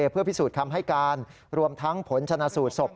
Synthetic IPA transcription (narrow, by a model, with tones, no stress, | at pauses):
pʰɯ˥˩pʰi˦˥suː˨˩t̪kʰa˧mɦa˥˩jkaː˧n | ɾu˧əmt̪ʰa˦˥ŋpʰo˩˦nt͡ɕʰa˧naː˧suː˨˩t̪̚so˨˩p̚